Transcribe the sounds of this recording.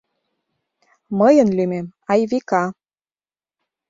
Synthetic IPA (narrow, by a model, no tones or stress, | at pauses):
məjə̆nlymemɑjβikɑ